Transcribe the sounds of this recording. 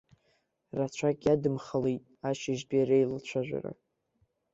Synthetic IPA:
rat͡ɕʷʰakʲʼjadɨmχəlejtʼaʃɪʒbiaɾejlat͡ɕʷʰaʒʷᶣa̰ra̰

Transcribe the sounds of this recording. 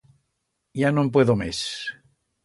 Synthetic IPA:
janomp̬weðomḛs

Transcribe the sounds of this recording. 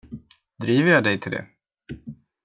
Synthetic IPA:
d̪ɾiːvəɾjɑːd̪ɛjt̪ʰɪld̪ɛ̰

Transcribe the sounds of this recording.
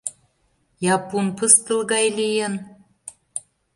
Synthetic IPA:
jɑpunpəst̪ə̆lɣɑjlijən

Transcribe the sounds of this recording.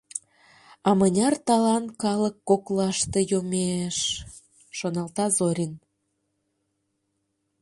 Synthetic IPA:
ɑmənʲɑrt̪ɑlɑnkɑləkːoklɑʃt̪e̽jomeʃ | ʃonɑlt̪ɑzoɾʲin

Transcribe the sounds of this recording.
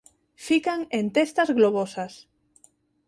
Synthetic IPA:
fikaŋent̪est̪azɣloβosas

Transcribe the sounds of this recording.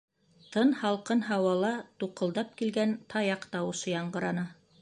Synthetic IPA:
t̪ɤnhɑlˠqɤnɦɑwɑlˠɑt̪uqɤ̆lˠd̪ɑp̚kilɡænt̪ʰɑjɑqt̪ɑwɤ̆ʃɤjɑɴɢɤ̆ɾɑnɤ

